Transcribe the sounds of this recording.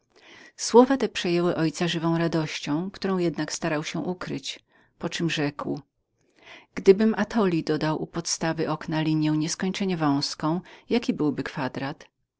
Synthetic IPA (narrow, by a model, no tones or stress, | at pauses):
swɔvat̪ɛpʂɛjɛwɘʔɔjt̪saʐɘvɔ̃w̃ɾad̪ɔɕt͡ɕɔ̃w̃kt̪uɾɔ̃w̃jɛd̪nakst̪aɾawɕɛ̃ʔukɾɘt͡ɕ | pɔt͡ʂɘmʐɛkw | ɡ̥d̪ɘbɘmʔat̪ʰɔlʲid̪ɔd̪awʔupɔt̪st̪avɘʔɔknalʲiɲjɛ̃w̃ɲɛskɔɲt͡ʂɛɲɛvɔ̃w̃skɔ̃w̃jakʲibɘwbɘkfad̪ɾat̪